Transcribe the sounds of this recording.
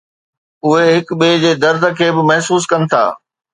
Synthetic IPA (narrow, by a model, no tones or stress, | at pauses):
ʊɦeɦɪkɓeːd͡ʑeːd̪ɐɾd̪ʱəkʰeːbɪmɐɦsuːs̬kɐnɪ̆t̪ʰa̰ː